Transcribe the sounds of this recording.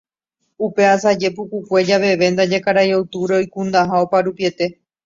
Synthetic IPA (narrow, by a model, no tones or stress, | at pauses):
upe̞asad͡ʒe̞pukukʷe̞d͡ʒaʋe̞ʋe̞nd̪ad͡ʒekaɾajowt̪uɾeo̞jkũnd̪aɦao̞paɾupie̞t̪e̞